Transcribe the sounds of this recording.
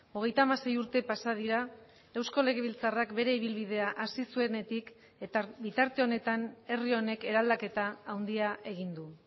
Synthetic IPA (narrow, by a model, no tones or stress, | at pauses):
o̞ɣ̞e̞jt̪amase̞juɾt̪e̞pasað̞iɾa | e̞wsko̞le̞ɣe̞β̞ilt͡sarakbe̞ɾe̞iβ̞ilβið̞e̞aʔasisue̞ne̞t̪ik | et̪bit̪aɾt̪e̞o̞ne̞t̪ane̞rio̞ne̞ke̞ɾald̪ake̞t̪aːwnd̪iae̞ɣ̞ind̪u